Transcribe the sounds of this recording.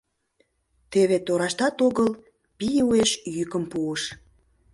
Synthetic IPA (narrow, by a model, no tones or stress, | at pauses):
t̪eβet̪oɾɑʃt̪ɑt̪oɣəl | pijueʃjykəmpuəʃ